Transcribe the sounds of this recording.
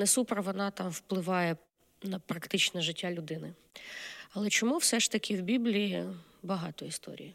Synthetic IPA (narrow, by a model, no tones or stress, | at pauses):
nɛsupɾɐʋɔnɑt̪ɑmwplˠɪʋɑjɛ | nɐpɾɐkt̪ɪt͡ʃnɛʒɪtʲːalʲʊd̪ɪnɪ | ɐlˠɛt͡ʃɔmuwsɛʃt̪ɐkʲʰɪwbʲiblʲiji | bɐɦɑt̪ɔist̪ɔ̰ɾʲḭji